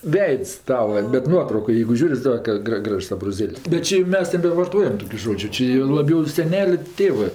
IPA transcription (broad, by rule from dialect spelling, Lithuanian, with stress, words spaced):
ˈʋʲɛɪts ˈtɑːʋɐ bʲɛt ˈnuɔtrɐʊkoːj jɛɪɡʊ ˈʒʲuːrʲ ɪ ˈsɑːkɐ ˈɡrɐ ˈɡrɐʃs ɐbroːˈzʲeːlʲsʲ ˈʒoːd͡ʒʲʊ ˈt͡ʃʲɪ jɛʊ lˠɐˈbʲɛʊ ɪ sʲɛˈnʲæːlʲʊ ˈtʲeːʋɜ